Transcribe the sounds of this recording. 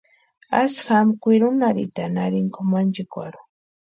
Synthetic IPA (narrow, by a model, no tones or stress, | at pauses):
asxamkʷiɾʊnaɾḭt̪anaɾɪŋkʊmand͡ʒɪkwaɾʊ